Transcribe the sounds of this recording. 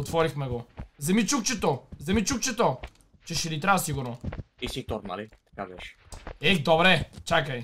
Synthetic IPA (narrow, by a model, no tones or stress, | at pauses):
ot̪fɔɾixmɛɡozɐmit͡ʃukt͡ʃɛt̪ozɐmit͡ʃukt͡ʃɛt̪o | t͡ʃɛʃɛlit̪ɾavɐsiɡʊɾnoisit̪ɔɾt̪ma̰lit̪ɐ̥kab̪ɛʃɛ̥ɛd̪obɾɛt͡ʃakəj